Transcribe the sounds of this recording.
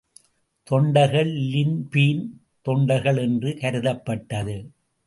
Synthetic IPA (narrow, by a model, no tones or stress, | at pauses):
t̪ɔɳɖɐɣɐɭlɪnpiːn | t̪ɔɳɖɐɪɣɐɭɛndrɯkɐɾɯðɐpːɐʈːɐðɯ